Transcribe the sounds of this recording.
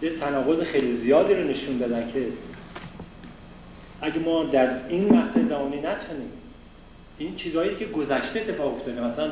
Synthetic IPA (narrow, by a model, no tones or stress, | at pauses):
jet̪ʰːænɒːɣo̞zexejlizijɒːd̪iːɾone̞ʃund̪ɒːd̪æncʰe̞ | ʔæɟemɒːd̪æɾinvæht̪ʰæzæmɒːniːnæt̪ʰuniːm | int͡ʃʰiːzhɒːjiːecʰeɡo̞zæʃt̪eet̪ːefɒːɣo̞ft̪ɒːd̪emæsælæn